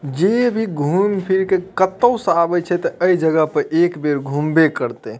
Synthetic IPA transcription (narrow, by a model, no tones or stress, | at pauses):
d͡ʒebʱiɡʱumpʰiɾkekət̪əwsabɛt͡ʃʰɛt̪əəid͡ʒəɡəpəɾekbeɾɡʱumbekəɾt̪e